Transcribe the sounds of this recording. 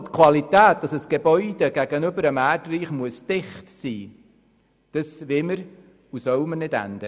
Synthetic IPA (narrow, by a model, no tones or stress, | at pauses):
t̪kʰʋɑlit̪æːt̚d̥ɑsəsɡ̥eb̥œʏd̥̪eɡ̥æɡənʏbəɾəmæːrdriːχmuəsd̥ɪχtsiː | d̥əsʋɪməɾ | usœwmənɪdæ̰nd̥̪ə